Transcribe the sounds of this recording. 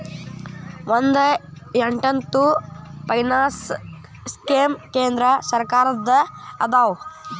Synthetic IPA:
ʋɐnd̪ɐeɳʈɐnt̪upɐjnaːs | skeːmkeːnd̪ɾɐsɐɾkaːɾɐd̪ɐɐd̪aːw

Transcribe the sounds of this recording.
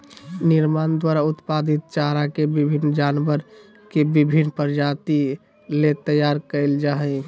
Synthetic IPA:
nɪɾmand̪waɾaʊt̪pad̪it̪̚t͡ʃaɾakebibʱinːd͡ʒanbəɾ | kebibʱinːpəɾd͡ʒat̪i | let̪əjaɾkəɪld͡ʒaɦɛ

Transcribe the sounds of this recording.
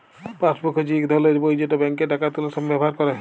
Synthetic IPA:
pãt͡ʃbɔkʰːod͡ʑikd̪ʱɔleɾbojd͡ʑoʈobɛŋkeʈakat̪ulaʃɔmbɛbɔɦaɾkɔɾa

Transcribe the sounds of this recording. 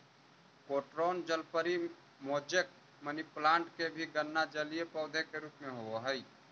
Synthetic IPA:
koːʈɾoːnd͡ʒəlpəɾi | moːd͡ʒək̚ | məniplãːɳʈkebʱiɡənːad͡ʒəliepɔːʊd̪ʱekeɾuːpmẽɦooɦɛi

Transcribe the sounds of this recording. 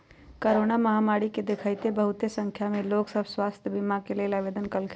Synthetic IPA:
kəɾoːnaməɦamaːɾiked̪ekʰəjt̪ebəɦʊt̪esə̃ŋkʰjamẽloːksəbʱswaːst̪ʰjəbɪmakelelaʋeːd̪ənkəlkʰ

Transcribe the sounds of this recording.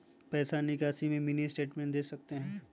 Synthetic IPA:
pɛːsanɪkaːsimẽmɪnisʈeːʈmẽɳʈd̪eːsɐk̚t̪eɦɛ̃ː

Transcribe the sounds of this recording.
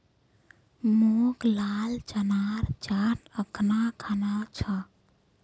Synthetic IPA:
moɡlalt͡ʃənaɾt͡ʃaʈəknakʰanat͡ʃʰə

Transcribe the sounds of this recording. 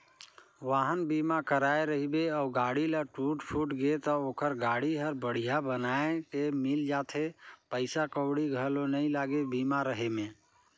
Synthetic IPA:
ʋaːɦənbimakəɾaːeɾəɦibeɔʊɡaːɽiləʈuːʈpʰuːʈɡet̪ɔoːkəɾɡaːɽiɦəɾbəɽ̤ijabənaːekemɪld͡ʒaːt̪ʰepəɪsakəwɽiɡʱəlonəĩlaːɡebiːmaɾəɦemẽː

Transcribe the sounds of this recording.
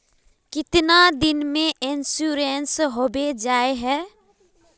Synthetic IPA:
kɪt̪nad̪ɪnmẽʔɪnsuɾensɦoːbed͡ʒaːeɦɛː

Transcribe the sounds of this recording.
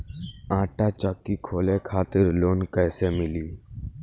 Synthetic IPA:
ãːʈaːt͡ʃəkːikʰoːlẽːkʰaːt̪ɪɾloːnkɛːseːmɪliː

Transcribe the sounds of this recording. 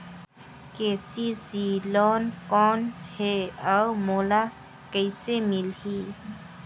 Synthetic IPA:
keːsizilɔːnkɔːnheawmoːla | kəisemɪlhiː

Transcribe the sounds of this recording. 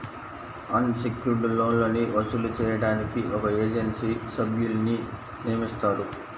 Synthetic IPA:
ɐnsekjuɾɖloːnloːniʋɐsulut͡ʃɛːjɐɽaːnikiʔɔkɐeːd͡ʒensiːsɐbjulni | nijɐmist̪aːɾu

